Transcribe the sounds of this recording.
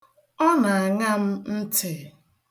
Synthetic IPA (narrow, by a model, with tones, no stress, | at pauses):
ɔ˦na˨a˨ŋa˦m̩˦n̩˦tʰɪ˨